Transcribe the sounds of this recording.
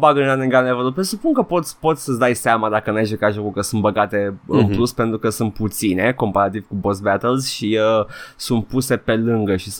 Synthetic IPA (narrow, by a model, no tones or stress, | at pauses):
baɡənaneŋɡalnevəɾopɾesupuŋkəpo̞t̪sʲpo̞t̪sʲsəsd̪ajseamad̪akənujaʃukaʒokukəsunt̪bəɡat̪e̞ɨ̰npluspe̞nt̪ɾukəsunt̪̚put̪sine̞ko̞mpaɾat̪iv̥kubosbæt̪əlzʃiəsunt̪̚puse̞pe̞lɨŋɡəʃis